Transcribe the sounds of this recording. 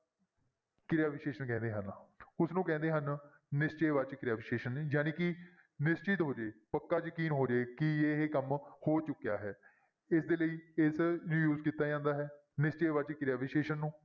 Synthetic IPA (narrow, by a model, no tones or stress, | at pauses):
kɪɾejaːʋɪʃeːʃənkɛ̃ːnd̪eːɦənʊsnũːkɛ̃ːnd̪eːɦən | nɪst͡ʃeːʋət͡ʃkɾaːʋɪʃeːʃənjaːnĩːkɪ | nɪst͡ʃɪt̪ɦoːd͡ʒeːpəkːaːd͡ʒəkiːnɦoːd͡ʒeːkɪeːɦeːkəmhoːt͡ʃʊkːeja̰ːɦɛː | ɪsd̪eːləiːɪsnũːjuːzkiːt̪ːaːd͡ʒãːnd̪aːɦɛː | nɪst͡ʃeːʋat͡ʃkɾeaːʋɪʃeːʃənːũː